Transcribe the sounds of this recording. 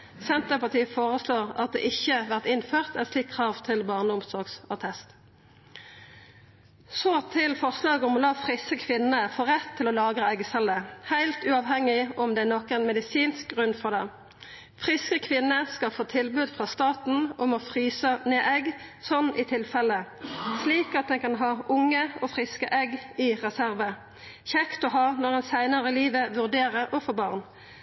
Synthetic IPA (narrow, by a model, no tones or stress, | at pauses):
sɛnt̪əpɑʁt̪ʰiːfoːʁəsloːʁɑ̰t̪̚d̪ɛ̰ːʔɪçːəʋæʁt̪ɪnføːʁt̪ɛt̪sliːkʰːʁɑːʋt̪ʰɪlbɑːʁnəʊmsɔʁɡsɑt̪ʰɛst̪ | sot̪ʰɪlfɔʁslɑːɡʊmɔlɑːfʁɪsəkʰʋɪnəfoːʁɛt̪ʰːɪlɔlɑːɡʁəɛɡəsɛləhæɪlt̪ʉːɑʋɦɛŋːɪɔmd̪ɛænɔkːɛɪnmɛd̪ɪsiːnsk̚ɡʁʉnfɔʁd̪ɛ | fʁɪskəkʰʋɪnːəskɑlfoːt̪ʰɪlbʉːd̪fʁɑst̪ɑːt̪n̩ɔmɔfʁyːsəneːʔɛɡsɔnːʔɪt̪ʰɪlfɛləsliːkɑt̪̚d̪ɛnkɑnɦɑːʔʊŋːəɔfʁɪskəʔɛɡɪʁɛsæʁʋə | çɛkt̪ɔɦɑːnɔʁɛnsæɪnəʁəliːʋəʋʉʁd̪eːʁəʔɔfɔbɑːʁn